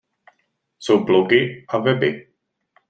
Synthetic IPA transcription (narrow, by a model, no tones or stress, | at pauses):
sobloɡɪavɛbɪ